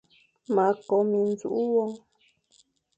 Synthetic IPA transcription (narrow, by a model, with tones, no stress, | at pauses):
mã˨˦ko˧mĩ˧nzu˨ʔu˦wo˧˦